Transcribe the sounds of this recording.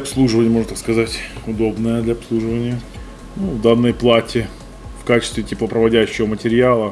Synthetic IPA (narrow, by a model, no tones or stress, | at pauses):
ɐpslˠuʐɨvənʲɪjəmo̞ʐnət̪akskɐzatʲʊd̪o̞bnəjəd̪lʲɐɐpslˠuʐɨvənʲɪjə | nuvd̪anːəjplˠatʲɪ | fkat͡ɕɪ̥st̪vʲɪtʲiplˠəpɾəvɐdʲæɕːɪvəmətʲɪɾʲɪalˠə